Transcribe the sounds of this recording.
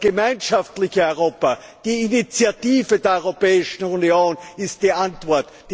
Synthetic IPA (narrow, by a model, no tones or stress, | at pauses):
ɡ̥əmaɪnʃaftlɪçəɔʏʁ̞oːpɐ | d̥iːinit͡sjatiːvədeːɐɔʏʁopɛːɪʃn̩unjoːnɪst̚d̥iːʔantv̥ɔɐt | d̥